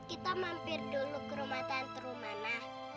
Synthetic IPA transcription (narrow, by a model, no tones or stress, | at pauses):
kit̪amampɪrd̪̥olukːəɾumat̪ant̪əɾumanah